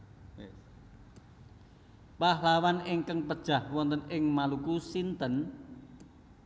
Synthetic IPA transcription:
pahlawanɪŋkəŋpəd̥ʒ̥a̤hwɔnt̪ənɪŋmalukusint̪ən

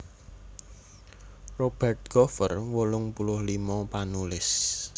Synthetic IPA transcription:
rob̥ɛrt̪̚ɡ̥ɔfə̰rwolʊŋpulʊhlimɔpanulɪs

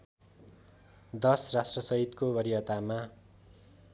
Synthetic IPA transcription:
d̪ʌsrasʈrʌsʌɦit̪kobʌɾijʌt̪ama

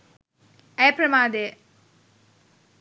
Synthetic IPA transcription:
ɐjpɾɐmaːd̪e

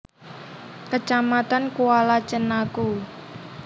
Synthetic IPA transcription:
kət͡ʃamat̪ankualat͡ʃənaku

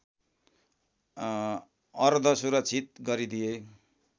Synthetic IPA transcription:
ʌrd̪ʱʌsuɾʌkt͡sʰit̪̚ɡʌɾid̪ije

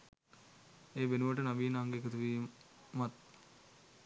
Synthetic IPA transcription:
eːʋenuʋəʈənaʋiːnaŋɡekət̪uʋiːmat̪

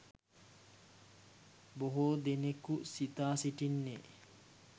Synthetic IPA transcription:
boɦoːd̪enekusit̪aːsiʈinːe

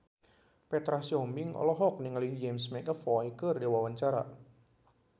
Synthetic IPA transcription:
pɛt̪ɾahsiɔmbɪŋɔ̰lɔɦɔk̚nɪŋaliŋd͡ʒɛmsmɛkəfɔikərdiwawaɲt͡ʃaɾa̰

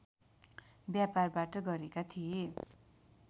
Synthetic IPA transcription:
bjaparbaʈʌɡʌɾekat̪ʰie

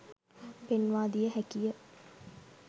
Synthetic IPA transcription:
penʋaːd̪ijəɦækijə

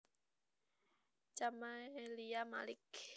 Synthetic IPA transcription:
t͡ʃamaliama̰lɪk

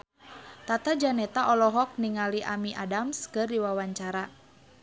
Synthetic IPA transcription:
t̪at̪ad͡ʒanɛt̪aʔɔlɔɦɔk̚niŋaliʔamiʔa̰damskɨrdiwawaɲt͡ʃaɾa

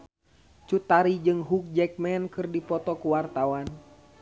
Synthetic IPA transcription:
t͡ʃut̪aɾid͡ʒɨŋɦuk̚d͡ʒɛk̚mɛnkɨrdipɔt̪ɔkuwart̪awan

